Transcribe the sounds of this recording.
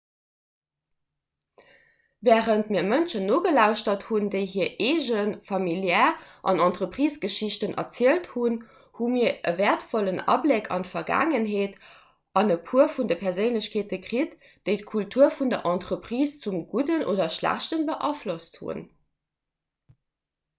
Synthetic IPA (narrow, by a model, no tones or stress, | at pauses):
vɛːʁəntmiːɐmənʃənːoːɡəlæʊʃtɐthundeɪɦiːɐʔeːʒənfɑmiljɛːʁʔɑ̰nɑntʁəpʁ̥iːsɡ̥əʃiɕtənʔɐ̰t͡siəlthun | humiːɐəvɛːɐtfɔlənɑ̰blekʰɑ̰ntfɐɡæ̰ːŋənɦeːt | ʔɑnəpʰuɐfundəpʰɛɐzənləɕkʰeːt̚əkʀit | d̥əɪtkʰultʰuɐfundɐʔɑntʁəpʁ̥iːst͡sumɡudənʔo̰ːdɐʃlæ̰ɕtənbəʔɑflosthṵn